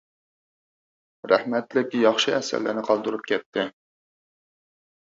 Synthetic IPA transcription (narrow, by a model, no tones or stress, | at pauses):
ɾæhmɛt̪lɪkʲjɑχʃɨɛsæ̰ɾlːɪ̰nɪqʰɑlˠd̪uɾup̚kʲʰɛt̪ʰːɪ